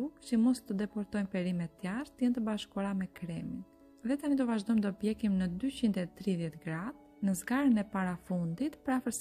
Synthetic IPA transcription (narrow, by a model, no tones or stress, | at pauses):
ukt͡ɕəmɔst̪əd̪ɛpɔɾt̪ɔjnpɛɾimɛt̪ːjaɾt̪ːəjɛnt̪əbaʃkuɾamɛkɾɛmin | ðɛt̪anid̪ɔvaʒd̪ɔjmd̪ɔpjɛkimnəd̪yt͡ɕind̪ɛt̪ɾiðjɛt̪ɡɾað | nəzɡaɾənɛpaɾafund̪it̪pəɾafəɾs